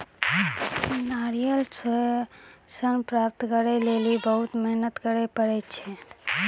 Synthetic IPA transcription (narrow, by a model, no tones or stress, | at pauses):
naɾijəls | sənpɾap̚t̪kəɾɛlelibəɦut̪mɛɦnət̪kəɾɛpəɾɛt͡ʃʰɛ